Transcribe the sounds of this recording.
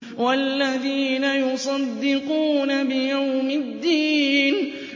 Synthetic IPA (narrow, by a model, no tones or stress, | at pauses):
walːaðiːnajʊsˤɑd̪ːɪquːnabɪjawmɪd̪ːiːn